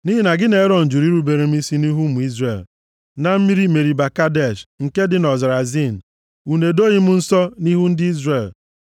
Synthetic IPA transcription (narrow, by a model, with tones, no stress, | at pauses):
ni˦ɦi˦na˨ɡɪ˦ne˨˦ɾɔ˨n̩˨d͡ʒu˨ɾi˦ɾu˦be˨ɾe˨m̩˦i˦si˦ni˦ɦu˦mu˨i˦zre˨l | na˨m̩˦mi˦ɾi˦me˨ɾi˨ba˨ka˦de˦˨ʃŋ̩˨ke˦dɪ˨nɔ˨za˨ɾa˨zi˦˨n̩˨ | u˨ne˨do˦ɲi˦m̩˦n̩˦sɔ˦ni˦ɦu˦n̩˦dɪ˦i˦zre˨l